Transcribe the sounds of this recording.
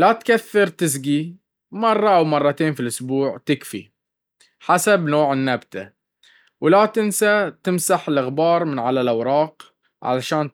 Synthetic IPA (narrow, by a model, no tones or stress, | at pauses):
lat̪kaθːɪɾt̪ɪzɡi | mɑrˤːɑʔawmɑrˤːɑt̪eːnfilʔʊsbuːʕt̪ɪkfḭ | ħasabnoːʕɪnːabt̪ʰa | wlat̪ɪnsat̪ɪmsaħɪlʔaɣbɑːɾˤmɪnʕalalʔawɾˤɑːq | ʕa̰laʃaːn